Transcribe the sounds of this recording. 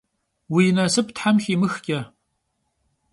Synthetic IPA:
wiːnɐsɨp̚ʰtʰħamxʲimɨxkʲʼɐ

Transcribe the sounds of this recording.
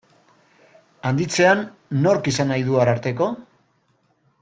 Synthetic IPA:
and̪it͡se̞anː | o̞ɾkisanajðuaɾaɾt̪e̞ko̞

